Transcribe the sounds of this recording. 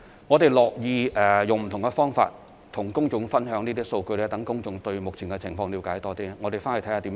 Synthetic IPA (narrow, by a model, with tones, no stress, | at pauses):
ŋɔː˨˧t̪e˨jlɔː˨k̚jiː˨˧ɛː˨jʊ˨ŋm̩˨t̪ʰʊ˨˩ŋkɛ˧fɔː˥ŋfa̰ː˧t̚ | t̪ʰʊ˨˩ŋkʊ˥ŋt͡ʃʊ˨˥ŋfɐ˥nɦœː˨˥ŋniː˥t̪iː˥so˧wkɵ˧ɥlɛː˥t̪ɐ˨˥ŋkʊ˥ŋt͡sʊ˧˥ŋt̪ɵ˧ɥmʊ˨k̚t͡sʰiː˨˩nŋkɛ˧t͡sʰɪ˨˩ŋfɔː˧ŋli˨˧wkaː˨˥jt̪ɔː˥t̪iː˥ŋɔː˨˧te˨˩jfaː˥ne˨˩t̪ʰhaː˧t̪i˨˧˥